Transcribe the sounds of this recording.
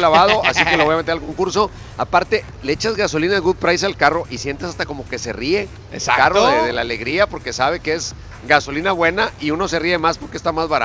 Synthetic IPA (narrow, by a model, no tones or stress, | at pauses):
laβaðo̞ʔasik̪eloojamet̪eɾalko̞ŋkuɾso̞ | apaɾt̪e̞ | leet͡ʃazɣaso̞linaðeɣuðpɾajs̬alkaro̞ʔisje̞nt̪asast̪ako̞mo̞ke̞se̞̰rie̞ | ekaroðeðelale̞ɣɾiapo̞ɾke̞saβ̞e̞kee̞z | ɡaso̞linaβwe̞naiuno̞se̞rie̞maspo̞ɾkest̪amazβaɾa̰